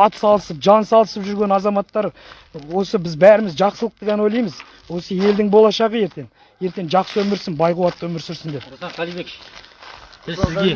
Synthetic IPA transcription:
ɑt̪sɑlˠəsəp̚ʒɑnsɑlˠəsəpʒʏɾɡʲe̞nɑzɑmɑt̪ːɑɾ | wo̞səbɪzbæɾɪmɪzʒɑqsəlˠəq̚t̪əʁʲenwo̞jlˠɑjməz | wo̞səje̞ld̪ɪŋbo̞lˠɑʃɑʁəje̞ɾt̪e̞ŋ | je̞ɾt̪e̞ŋʒɑqsəwɵmɪɾsɪnbɑjquwɑt̪ːəwɵmɪɾsʏɾsɪnd̪e̞p | ɪzɡʲ

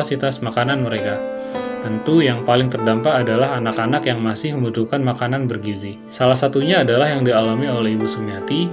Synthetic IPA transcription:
asit̪asmakananməɾeka | t̪ənt̪ujaŋpalɪŋt̪ərdampaːdalaɦanakanakjaŋmasɪhməmbut̪ukanmakananbərɡizi | salahsat̪uɲaːdalahjaŋdialamiolɛhibusumiat̪i

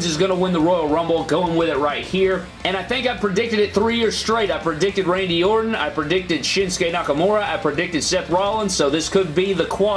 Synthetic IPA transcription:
zɨzɡʌnəwɪ̃nðəɹɔɪl̩ˠɹʌ̃mbl̩ˠɡoʊɪ̃ŋwɪðɨt̚ɹaɪt̚hiɹ | ɨ̃ñaɪθɪ̃ŋkaɪv̥pʰɹ̥ɨdɪk̚tɨɾɨt̪̚θɹijɪɹz̥stɹ̥eɪɾaɪ̥pʰɹ̥ɨdɪk̚tɨd̚ɹẽɪ̃ndiɔɹdⁿn̩a̰ɪv̥pʰɹ̥ɨdɪk̚tɨd̥ʃɪ̃nskeɪnɑkəmɔɹɨaɪpʰɹ̥ɨdɪk̚tɨd̥sɛθɹɑlˠə̃nsoʊðɪskɨd̚biðɨkʰw̥ɑ

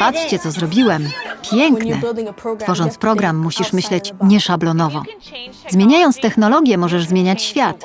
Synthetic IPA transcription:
patʂt͡ɕɛt̪ɔzɾɔbʲiwɛmpʲjɛŋknɛ̰t̪fɔʐɔnt̪spɾɔɡɾamːuɕiʂmɘɕlɛt͡ɕɲɛʂablɔnɔvɔ | zmʲjeɲajɔnt̪st̪ɛxnɔlɔɡʲjɛmɔʐɛʐzmʲjeɲat͡ɕɕfʲjat̪

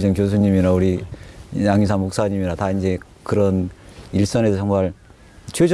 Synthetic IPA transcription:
d͡ʑʌŋkjos̬ʰuɲimiɾauɾi | jaŋisʰaŋmok̚s͈aɲimiɾataind͡ʑe̞ | kɯɾʌniɭs͈ʌne̞sʰt͡ɕʌŋmaɭ | t͡ɕʰwed͡ʑ

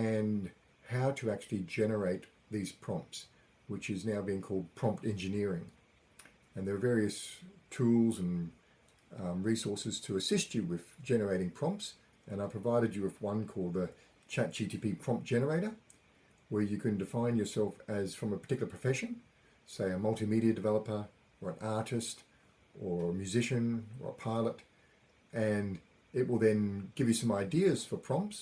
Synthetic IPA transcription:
ɨ̃n | haʊɾɨæk̚t͡ʃʉl̩ˠid͡ʒɛnə˞eɪt̪̚ | ðiz̥pʰɹ̥ɑ̃mps | wɨt͡ʃɨznaʊbiɪ̃ŋkʰɔlˠd̚pʰɹ̥ɑ̃mp̚tɛ̃nd͡ʒɨnɪɹɪ̃ŋ | ɨ̃nðə˞ːvɛɹiɨstʰulˠzɨ̃n | ɹisɔɹsɨz̥tʰɨːsɪst͡ʃɨwɪð̥d͡ʒɛnə˞eɪɾɪ̃ŋpʰɹ̥ɑ̃mps | ɨ̃naɪpʰɹ̥əvaɪɾɨd͡ʒɨʌvwʌ̃nkʰɔlˠd̪̚ðɨ | t͡ʃʰæt̚d̥ʒ̥itʰipipʰɹ̥ɑ̃mp̚d̥ʒ̥ɛnə˞eɪɾə˞ | wə˞jɨkʰɨ̃ndɨfãɪ̃njə˞sɛlˠfɨz̥fɹʌ̃məpʰə̥˞tʰɪkjl̩ˠəpʰɹə̥fɛʃɨ̃n | seɪɨmʌlˠtɨmiɾiɨdɨvɛlˠəpə˞ | ə˞ɨ̃nʔɑɹɾɨst | ə˞əmjʉzɪʃɨ̃nə̰˞ə̰pʰaɪlˠəɾ | ʔɨ̃n | ɪʔ̚wəlˠðɨ̃nɡɪvjɨsʌ̃maɪdiɨz̥fə˞pʰɹ̥ɑ̃mps

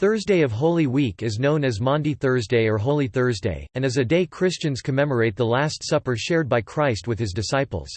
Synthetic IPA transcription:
θɜ˞zdeɪʌv̥ɦoʊlˠiwikɨznõʊ̃nɨzmɑ̃ndiθɜ˞zdeɪə˞ɦoʊlˠiθɜ˞zdḛɪɨ̃nɨzɨdeɪkʰɹ̥ɪst͡ʃɨ̃nz̥kʰɨmɛmə˞eɪt̪̚ðəlæstsʌpə˞ʃɛɹd̚baɪkʰɹ̥aɪst̚wɨð̥ɨzdɨsaɪpl̩ˠz̥

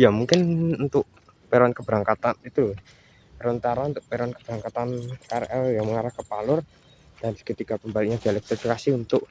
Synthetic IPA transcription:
jamuŋkɪnunt̪ʊʔ | peɾɔnkəb̥ɾaŋkat̪anit̪ul | ɾənt̪aɾaunt̪ʊʔpeɾɔnkəb̥ɾaŋkat̪ankaɾʔɛljaməŋaɾahkəpalʊr | d̥andi̥kət̪ikapəmbalɪʔ̚ɲad̪̥ialɛk̚t̪ɾifikasiunt̪ʊʔ

